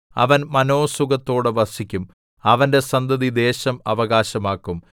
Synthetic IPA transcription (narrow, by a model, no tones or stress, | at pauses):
ɐ̰ʋɐnmɐno̞ːsuɡɐt̪ːo̞ːɽɨʋɐsikʲːum | ɐʋɐnde̞sɐnd̪ɐðid̪e̞ːɕɐmɐʋɐɣaːɕɐmaːkːum